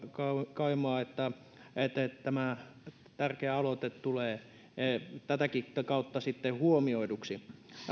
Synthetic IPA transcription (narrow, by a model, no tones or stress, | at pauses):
kɑkɑimoɑet̪ːæ | et̪ːet̪æmæ | t̪ærkeæɑlot̪et̪t̪uleː | et̪æt̪ækikɑut̪ːɑsit̪ːehuomioiduksi